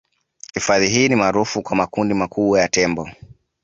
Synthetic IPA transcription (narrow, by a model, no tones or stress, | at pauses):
hifaðiɦiːnimaːɾufukwamakundimakuɓwajatɛmbɔ